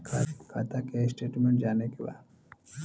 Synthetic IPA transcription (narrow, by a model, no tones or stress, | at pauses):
kʰaːt̪akesʈeːʈmẽɳʈ̚d͡ʒaːnekeʋa̰ː